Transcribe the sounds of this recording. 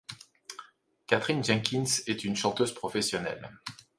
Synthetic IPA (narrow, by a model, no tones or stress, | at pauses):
kat̪χinʒɛ̃kʲinsɛt̪ynʃɑ̃t̪øzpχɔfɛsjɔnɛ̰l